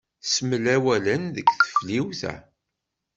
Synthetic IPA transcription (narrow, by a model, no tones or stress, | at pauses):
səməlæwælənðəkθə̥fliwθæ̰